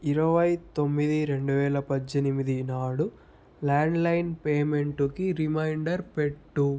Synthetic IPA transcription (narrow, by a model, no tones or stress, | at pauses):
iɾɐʋɐjt̪o̞mːid̪iɾe̞ɳɖuʋɛːlɐpɐːenimid̪inaːɽu | laːɳɖlɐjnpeːme̞ɳʈukiɾimɐjɳɖɐɾpe̞ʈːu